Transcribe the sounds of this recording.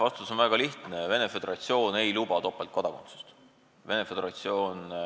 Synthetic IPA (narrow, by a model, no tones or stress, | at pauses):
vɑst̪uso̞nvæɡ̥ɑliht̪neve̞ne̞fe̞d̪̥eɾɑt̪sio̞ːne̞jluːb̥ɑt̪o̞pːɑlt̪kod̪ɑkont̪su̥st̪ | ve̞ne̞fe̞d̪eɾɑt̪sio̞ːn